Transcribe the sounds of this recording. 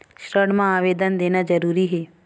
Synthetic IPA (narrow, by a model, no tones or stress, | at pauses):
ʃɾəɽmãaːʋeːd̪ənd̪eːnad͡ʒəɾuːɾiɦeː